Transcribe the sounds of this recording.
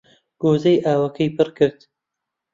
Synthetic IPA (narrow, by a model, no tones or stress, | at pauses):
ɡ̥oːzɐjʔaːwɐkʰɐjpʰɨrkɨɾd̪